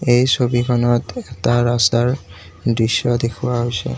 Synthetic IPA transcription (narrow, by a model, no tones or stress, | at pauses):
ejsobikʰɔnɔtɛtaɹastaɹ | dɹisjɔdekʰuwaɦojsɛ̰